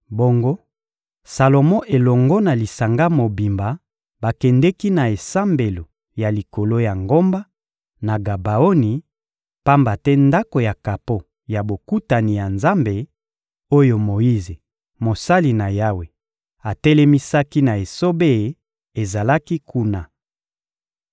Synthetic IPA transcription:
bo˦ŋɡo˦ | sa˨lo˨mɔ̃˦ʔe˨lɔ˨ŋɡɔ˦na˨li˨sa˨ŋɡa˦mo˨bi˨mba˨ | ba˨kɛ˨ndɛ˦ki˦na˨e˨sa˦mbe˨lo˨ | ja˨li˨ko˨lo˦ja˨ŋɡo˦mba˦ | na˨ɡa˨ba˨o˦ni˨ | pa˦mba˨tɛ˦nda˦ko˨ja˨ka˨po˦ | ja˨bo˨ku˦ta˨ni˨ja˨nza˦mbe˨ | o˦jo˨mo˨i˦ze˨ | mo˨sa˦li˨na˨ja˦we˨ | a˨tɛ˦lɛ˦mi˦sa˦ki˦na˨e˨so˦be˦˨˦ | e˨za˨la˦ki˦kʰu˦na˨

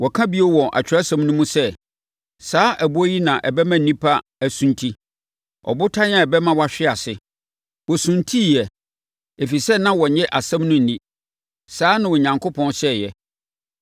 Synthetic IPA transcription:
wɔ˨kʰã˦bi˦o˦wɔ̃˨ʔa̰˨t͡ɕᶣɾa˦sã˦mnũ˦mũ˦sɛ˦ | saː˦ʔæ˨bu˦ɔ˦ji˦nã˨ʔɛ˨bɛ˦mã˦n̩˨nĩ˦pʰa˦ | æ˨sũ˦ntʰi˦ | ɔ̰˨bʊ˦tʰa˦ɲ˦ã˦˨ɛ˨bɛ˦mã˦wa˨ɕᶣɪ˦a˨sɪ˨ | wɔ˨sũ˨ntʰi˦˨jɛ˨ | e˨fi˨sɛ˦nã˦wɔ˨ɲɛ̃˦ʔa˨sã˦mnʊ̃˦n̩˨nĩ˦ | saː˦nʊ̃˨wɔ˨ɲã˨ŋkʰʊ˦pʰɔ̃˦nsɛ˦˨jɛ˨

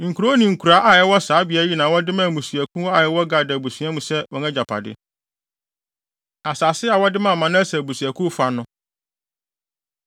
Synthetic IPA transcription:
ŋ̩˨kʰu˨ɾo˦nĩ˨ŋ̩˨kʰu˨ɾa˨˦ʔa˨jɛ˦wɔ˦saː˨˦bɪ˨a˨˦ji˦nãː˨wɔ˦dɪ˦mã˦˨mũ˨sɥæ˨kʰũ˦wɔ˦a˨jɛ˦wɔ˦ɡa˨da˨bu˨sĩ˨˦ã˦mũ˨sɛ˦wɔ˨ŋɛ̃˦d͡ʑa˨pʰa̰˨dɪ̰˦ | a˨saː˨sɪ˦a˨wɔ˦dɪ˦mã˦˨mã˨nã˦æ˦sɛ˨bu˨si˨æ˨kʰʊ̃˦fa˨nʊ̃˦

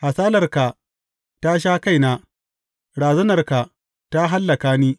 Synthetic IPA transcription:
ha˨saː˦lɐ˨rka˨ | ta˦ʃ̬aː˦ka˦˨jnaː˦ | ɽaː˨zɐ˦nɐ˨rka˨ | ta˦ɦa˦lːɐ˨kaː˦niː˦

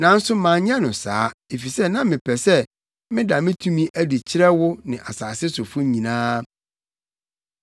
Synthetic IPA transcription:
nã˨˦n̩˦sʊ˦mã˨˦ɲ˦ã˦nʊ̃˨sa̰ː˨˦e˨fi˨sɛ˦nã˦mɪ̃˨pʰɛ˨sɛ˦ | mɪ̃˦da˨mɪ̃˦tʰũ˦mĩ˦ʔæ˦di˨t͡ɕʰɪ˦ɾɛ˦wʊ˦nɪ̃˨ʔa˨saː˨sɪ˦sʊ˨fʊ˦ɲĩ˨nãː˦

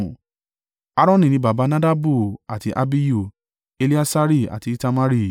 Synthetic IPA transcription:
a˦ɾɔ̃˦nĩ˨nĩ˦ba˨ba˨˦nã˦da˦bu˦˨a˨ti˨˦ʔa̰˦bi˦ju˦˨ | e˧li˦a˦sa˦ɾi˦˨a̰˨ti˨˦ta˧ma˦ɾi˦˨

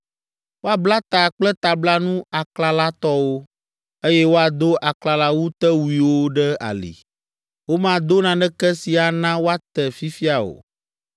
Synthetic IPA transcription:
wo˦a˨bla˦t̪a˨k͡plɛ˦t̪a˨bla˦nũ˦a˨kla˨la˦t̪ɔ˦wo˦ | e˦jɛ˦wo˦a˨d̪o˦ʔa˨kla˨la˦wu˦t̪ɛ˦wu˨i˨wo˦ɖɛ˦a̰˨lḭ˨ | wo˦mã˨d̪o˦nã˨ɖɛ˦kɛ˦si˨a˨nã˦wo˦a˦t̪ɛ˨fi˦fi˦a˨o̰˨

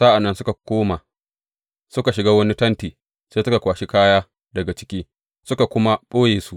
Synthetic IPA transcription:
sa˦ʔa˨nːɐ˦nsʊ˦ka˨kʷoː˦ma˨ | sʊ˦ka˨ʃɪ˨ɡaː˦wɐ˦ni˦tɐ˦ntiː˨ | seː˦sʊ˦ka˨kʷaː˨ʃi˦kaː˦jaː˦ | dɐ˨ɡa˨t͡ʃɪ̥˦kʲiː˦ | sʊ˦ka˨kʷʊ˦ma˦ɓoː˦jeː˨su˦ʔ

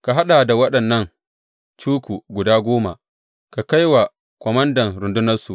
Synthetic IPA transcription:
ka˨ɦa˦ɗa˨da˨wɐ˦ɗɐ˨nːɐ˦ŋ | t͡ʃuː˦kʷu˨ɡʷʊ˨daː˦ɡʷoː˦ma̰˨ | ka˨ka˦jwa˨ | kʷɔ˨mɐ˦ndɐ˨ŋɾʊ˨ndʊ˦nɐ˦rsu˨

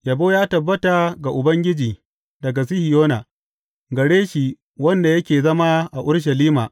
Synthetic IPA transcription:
jɐ˨boː˦jaː˦tɐ˨bːɐ˦ta˨ɡa˨ʔʊ˨bɐ˦ŋɡʲɪ˦d͡ʒiː˨ | dɐ˨ɡa˨s̬i˦hɪ˨joː˦na˨ | ɡɐ˨ɽeː˦ʃi˨ | wɐ˦nda˨jɐ˦kʲeː˨zɐ˦ma˦ʔa˨ʔʊ˦ɽʃ̬ɐ˨liː˦maː˨ʔ

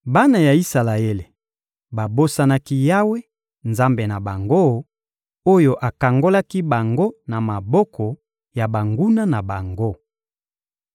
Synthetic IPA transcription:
ba˦na˨ja˨i˦sa˨la˨e˦le˨ | ba˨bo˦sa˦na˦ki˦ja˦we˦ | nza˦mbe˨na˨ba˨ŋɡo˦˨ | o˦jo˨ʔa˨ka˨ŋɡo˦la˦ki˦ba˨ŋɡo˦na˨ma˨bɔ˦kɔ˨ | ja˨ba˨ŋɡu˦na˦na˨ba˨ŋɡo˦

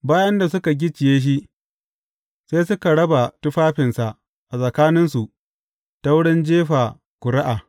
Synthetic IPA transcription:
baː˦jɐ˦nda˨sʊ˦ka˨ɡʲɪ˦t͡ʃɪ˨jeː˦ʃ̬i˦ʔ | seː˦sʊ˦ka˨ɽɐ˦ba˨tʊ˦ɸaː˦ɸɪ˨nsa˨ʔ | ʔa˨sʼɐ˨kaː˦nɪ˦nsu˨ʔ | ta˦wɽɪ˦nd͡ʒeː˦ɸaː˨ | kʷʊ˨ɽɪ˦ʔaː˨

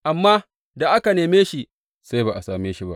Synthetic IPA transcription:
ʔa˨mːaː˦ | da˨ʔa˦ka˨neː˨meː˦ʃi˦ʔ | sa˦baː˨ʔa˨saː˨meː˦ʃi˦ba̰˦ʔ

